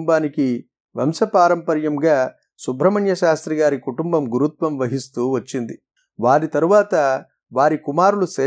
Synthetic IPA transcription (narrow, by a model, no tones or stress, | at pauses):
mbaːniki | ʋɐ̰msɐpaːɾɐmpɐɾjɐmɡaː | subʱɾɐmɐɳjɐʃaːst̪ɾiɡaːɾikuʈumbɐmɡuɾut̪ʋɐmʋɐɦist̪uːʋɐt͡ʃːind̪i | ʋaːɾit̪ɐɾuʋaːt̪ɐ | ʋaːɾikumaːɾuluseː